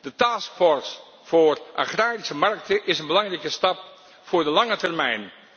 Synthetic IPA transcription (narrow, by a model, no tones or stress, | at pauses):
d̥ətaːskfɔɹs | fʊːrʔa̰χraːɾisəmɑrk̚təʔɪsənbəlɑŋrɛjkəstɑp̚ | fʊːɹdəlɑŋətɛrmɛjn